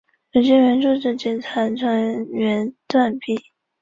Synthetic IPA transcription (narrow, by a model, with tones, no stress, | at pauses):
jo˨˩ʊɕɛ˥˩ɥɛ˧˥nʈ͡ʂu˥˧ʈ͡ʂɻ̩˥˩t͡ɕɛ˨˩nt͡sʰa˧˥nʈ͡ʂʰɤ˧˥ɥɛ˧˥nt̪wa˥˧npi˥˩˦